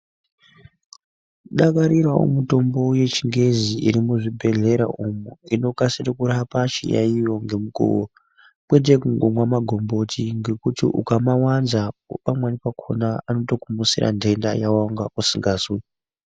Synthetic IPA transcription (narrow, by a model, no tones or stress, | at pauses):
ɗakaɾirwao̰muto̞mbo̞je̞t͡ʃiŋɡe̞ziiɾimuʐibʱe̞ɮe̞ɾa̰ʔumuino̞kasirekuɾapat͡ʃḭja̰ijo̞ŋɡe̞muko̰wo | kwet̬ekuŋɡomwamaɡʱo̞mbo̞tʰiŋɡe̞kutḭʔṵkamawanzapamwanipakʰonaano̞to̞kumusira̰ndʱe̞nda̰jawaŋɡausiŋɡaːswe